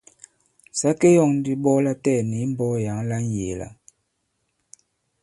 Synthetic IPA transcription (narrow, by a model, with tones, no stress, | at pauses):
sa˦ke˦jɔ˦˨ŋn˦di˦ɓɔ˦la˦tɛ˦˨ni˨˦m̩˦bɔ˦ja˨˦ŋla˦n˦je˨la̰˨